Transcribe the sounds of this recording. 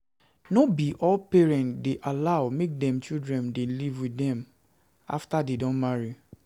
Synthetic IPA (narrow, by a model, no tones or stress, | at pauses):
nobiʔɔlpɛɹɛ̃ntdeʔalaʊmek̚dɛ̃mt͡ʃildɹɛ̃ndelivwidɛ̃m | a̰ftadedɔ̃nmaɹi